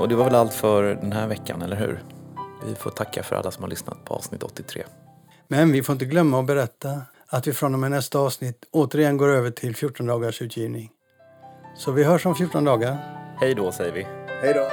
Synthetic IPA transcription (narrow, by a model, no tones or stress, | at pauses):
ɔd̪ɛvaɾvɛlalt̪fœɾd̪ɛnɦæːɾvɛkʰːanɛlːəɾɦʉ̟̰ːɾvɪ̰foːt̪ʰakʰːafœɾʔa̰lːasɔmhaɭʏsna̰t̪̚pʰɔɑ̰vsnɪt̪ːɔ̰t̪ːɪt̪ʰɾḛː | mɛnvɪfoːɾɪnt̪əɡlœmːaɔbɛɾɛt̪ːa | at̪vɪfɾɔnːɔmɛnɛst̪aɑːvsnɪt̪ːoːt̪əɾɪjɛnɡoːɾøːvəʈʰɪlfjuːʈːɔnd̪ɑːɡaʂʉ̟ːt̪ʰjiːvnɪŋ | sɔvɪɦœːʂɔmfjʊːʈːɔnd̪ɑːɡaɾhɛjd̪ɔsɛjəɾvɪhɛjd̪o